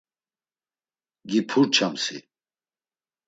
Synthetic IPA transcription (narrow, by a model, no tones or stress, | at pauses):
ɡipʰuɾt͡ʃʰamsḭ